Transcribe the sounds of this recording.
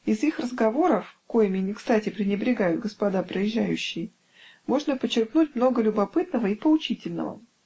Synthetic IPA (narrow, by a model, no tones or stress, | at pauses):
ɪzixrəzɡɐvo̞ɾəfko̞jmʲɪnʲɪkst̪atʲɪpɾʲɪnʲɪbɾʲɪɡajʊt̪̚ɡəspɐd̪apɾəjɪʑːæjʉɕːɪj | mo̞ʐnəpət͡ɕːɪrkn̪utʲmno̞ɡəlʲʊbɐpɨt̪nəvəipəʊt͡ɕitʲɪlʲnə̰və̰